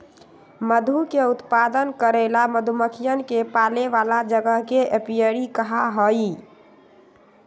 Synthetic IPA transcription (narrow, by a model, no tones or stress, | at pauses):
məd̪ʱukeut̪pad̪ənkəɾɛlaməd̪ʱuməkʰijənkepaleʋalad͡ʒəɡəɦkeepijəɾikəɦaɦəi